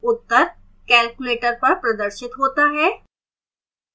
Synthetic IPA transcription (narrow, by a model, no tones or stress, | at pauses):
ʊt̪ːəɾ | kɛːlkʊleːʈəɾpɐɾpɾɐd̪əɾʃɪt̪ɦoːt̪aɦɛː